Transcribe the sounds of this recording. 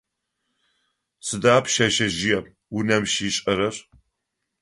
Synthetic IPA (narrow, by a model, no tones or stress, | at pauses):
t͡sʰɨdaːpʰʃɐʃɐʒɪjɛm | unɐmʃiːɕʼɐɾɐr